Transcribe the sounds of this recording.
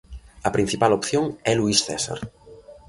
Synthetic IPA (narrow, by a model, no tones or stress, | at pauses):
ɐpɾin̟θipalopθjoŋɛluisθɛsa̰ɾ